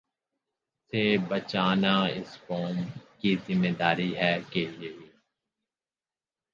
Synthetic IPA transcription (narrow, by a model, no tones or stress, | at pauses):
sebət͡ʃaːnaːɪ̰skɔːmkizɪmːeːd̪aːɾiɦɛːkeleiː